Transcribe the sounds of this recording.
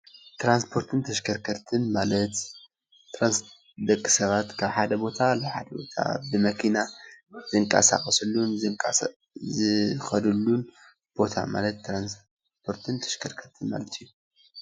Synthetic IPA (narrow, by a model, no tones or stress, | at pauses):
t̪ɾanspʰo̞ɾt̪ʰɨnt̪ʰɐʃkʰɐɾkʰɐɾt̪ʰɨnmalɐt̪ | t̪ːɾans | d̪ɐkʼːi̥sɐβat̪kʰaβħad̪ɐbo̞t̪ʰalaβħad̪ɐbo̞t̪ʰa̰bɨmɐkʰinazɨŋkʼa̰sa̰xʼɐsɨlːunzɨkʼ | zɨxɐd̪ɨlːun | b̥o̞t̪ʰa̰ma̰lɐt̪ːɾans | pʰo̞ɾt̪ʰɨnt̪ʰɐ̥ʃkʰɐɾkʰɐt̪ʰɨnma̰lɐt̪ʰijːu